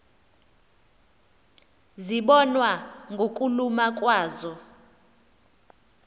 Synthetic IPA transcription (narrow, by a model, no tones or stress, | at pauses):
ziɓɔnwaŋɡʱokʼulumakʼwaːzɔ